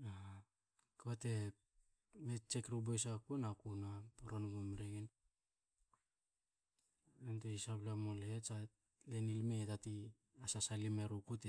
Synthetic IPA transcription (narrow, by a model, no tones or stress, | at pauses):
a | kaβate̞ | met͡ʃekɾubojsakunakunapoɾonɡomɾeɡen | enteisaplamolesa | lenilmetati | asasalimeɾukute